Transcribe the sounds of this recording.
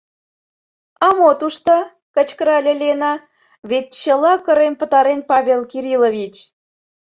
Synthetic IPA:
ɑmot̪uʃt̪ɑ | kət͡ɕkəɾɑlʲelʲenɑ | βet̪̚t͡ɕəlɑkə̆ɾempə̆t̪ɑɾenpɑβʲelkiɾʲiloβʲit͡ɕ

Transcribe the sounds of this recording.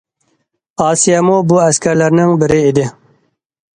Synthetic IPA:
ɑːsijɑmobʊæskʲaɾlaɾnɪŋbɪɾɪed̪ɪ

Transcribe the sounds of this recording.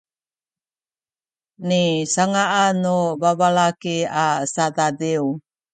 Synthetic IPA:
nisaŋaʔanobabalakeasad̪adeu

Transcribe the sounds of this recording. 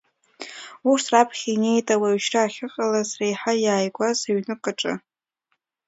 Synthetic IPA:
uʂtʰrapʰχʲiine̞jtʼawaɥʃraaχʲɨqʼalazrejħajaːjɡʷazaɥnɨkʼaʈ͡ʂʼɨ̰

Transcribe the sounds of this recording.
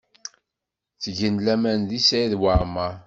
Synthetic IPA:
θʝənlæmænðisæjðwaɾma

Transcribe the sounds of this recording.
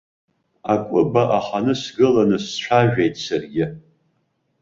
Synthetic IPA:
akʷʼʊbaʔaχanɨsɡɨlanɨsʈ͡ʂʷʰaʒᶣejtʼsarɡʲɪ

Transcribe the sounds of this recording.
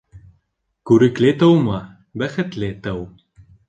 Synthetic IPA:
kʉɾɘ̆klet̪ɤwmɑ | bæxɘ̆t̪let̪ɤw

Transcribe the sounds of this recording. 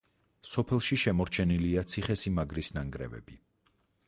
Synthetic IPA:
sɔpʰɛlˠʃiʃɛmɔɾt͡ʃʰɛniliat̪sʰiχɛsimaɡɾisnaŋɡɾɛ̰vɛ̰bi

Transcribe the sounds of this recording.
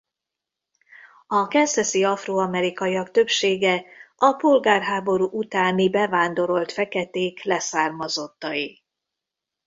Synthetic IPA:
ɒkɛnsɛsiɒfroːɒmɛɾikɒjiɒkt̪ø̞pʃeːɡɛɒpo̞lɡaːrɦaːbo̞ɾuːʔut̪aːnibɛvaːnd̪o̞ɾo̞lt̪fɛkɛt̪eːklɛsaːrmɒzo̞t̪ːɒji

